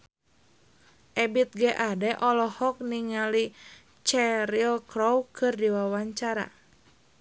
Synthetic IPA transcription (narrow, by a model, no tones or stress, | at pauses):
ʔɛbit̪̚ɡɛʔadɛʔɔlɔhɔk̚niŋali | t͡ʃɛɾilkɾɔwkɨrdiwawaɲt͡ʃaɾa̰